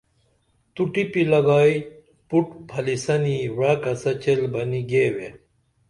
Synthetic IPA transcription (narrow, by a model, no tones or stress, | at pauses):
t̪uʈipilɐɡɑːi | puʈpʰɐlisɐniwakɐsɐt͡ɕelbɐniɡeːwe